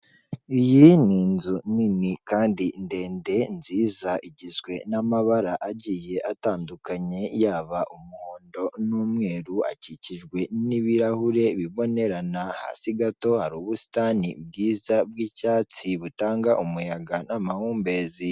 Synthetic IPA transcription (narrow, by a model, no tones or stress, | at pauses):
ijiniːnzuninikaːndinde̞ːnde̞nziːzaʔiɟizɡwe̞namaβaɾaʔaɟiːje̞ʔataːndukaɲe̞jaːβaʔumuho̞ːndo̞nuːmŋe̞ːɾua̰ciciʒɡwe̞niβiɾahuɾe̞βiβo̞ne̞ɾanaha̰ːsiɡato̞haɾuːβusi̥tanib̚ɡiːzab̚ɡiːcaːt͡siβutaːŋɡaʔumujaɡanamahuːmbe̞ːzi